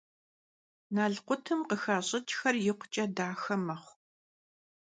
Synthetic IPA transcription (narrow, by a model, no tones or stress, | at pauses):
naːɮqʷʊtʰɨmqəxaːɕʼɪt͡ʃʼxɐrjɪqʷt͡ʃʼɐdaːxɐmɐχʷ